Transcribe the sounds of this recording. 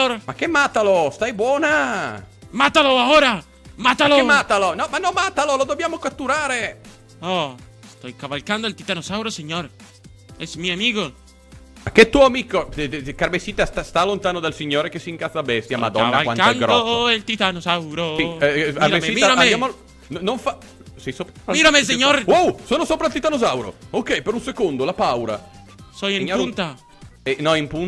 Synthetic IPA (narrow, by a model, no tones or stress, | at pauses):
oɾmakːemat̪alost̪ajbwɔːna | mat̪aloaoɾa | mat̪alomːat̪alonɔmanːɔmːat̪alolod̪objaːmokat̪ːuɾaːɾe | o | st̪ojkaβalkand̪oelt̪it̪anosawɾoseɲoɾ | esmioamiɣo | akːet̪ːuoamikokaɾbesit̪ast̪ast̪alont̪aːnod̪alsiɲːoːɾekesiŋkaθabɛst̪jamad̪ɔ̰aaalwankandɡɾd̪oelt̪it̪anosawɾo | aɾiɾaeeiiɾamejamo | nnoɱfa | sɛjsopmiɾames̬eɲoɾwawsonosopɾalt̪it̪anosawɾo̰okɛjpeɾũnsekond̪olapawɾa̰ | sojemɲpunt̪a | enɔimpun